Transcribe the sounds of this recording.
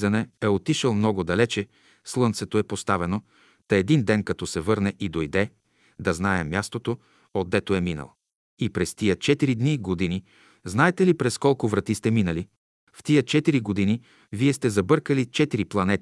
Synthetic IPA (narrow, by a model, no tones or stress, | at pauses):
zɐnɛɛot̪iʃəlˠmnɔɡʊd̪ɐlɛt͡ʃɛ | slˠɤnt̪sɛt̪oɛpost̪avɛno | t̪ɐɛd̪ind̪ɛnkɐt̪ɔsɛvɤɾnɛʔid̪ojd̪ɛ | d̪ɐznaɛmʲjast̪ot̪o | od̪ːɛt̪oɛminə̰lˠ | ipɾɛst̪ijət͡ʃɛt̪iɾid̪niɡod̪ini | znaɛt̪ɛlipɾɛskɔlˠkʊvɾɐt̪ist̪ɛminəli | ft̪ijət͡ʃɛt̪iɾiɡod̪ini | viɛst̪ɛzɐbɤɾkəlit͡ʃɛt̪iɾiplˠɐnɛt̪